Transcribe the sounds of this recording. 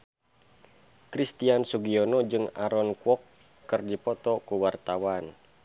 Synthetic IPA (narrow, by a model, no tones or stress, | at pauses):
kɾist̪iansuɡiɔnɔd͡ʒɨŋaɾɔnkuɔkː | ɨrdipɔt̪ɔkuwart̪awan